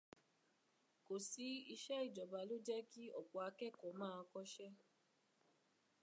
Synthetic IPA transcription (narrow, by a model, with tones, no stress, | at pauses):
ko˨si˨˦i˧ʃɛ˦i˦˨d͡ʒɔ˨ba˨˦lo˦d͡ʒɛ˦ki˦ɔ̰˨k͡pɔ˨a˧kɛ˦˨kɔ˨mãː˦˧kɔ˦ʃɛ˦